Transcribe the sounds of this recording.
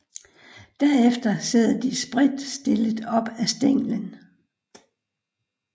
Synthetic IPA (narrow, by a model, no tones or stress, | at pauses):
d̥æɐ̰efd̥ɐseð̰ˠd̥isb̥ʁid̥sd̥e̝ləðˠɒ̽b̥æsd̥eŋ̰lən